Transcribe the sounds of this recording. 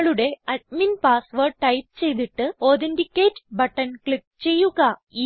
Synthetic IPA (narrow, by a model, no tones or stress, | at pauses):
ɭuɽe̞ɐɖ̚minpaːsʋɐrɖ̚ʈɐjp̚t͡ɕe̞jt̪iʈːɨoːðindikʲːeːtːbɐʈːɐnkɭip̚t͡ɕe̞jːuɣɐi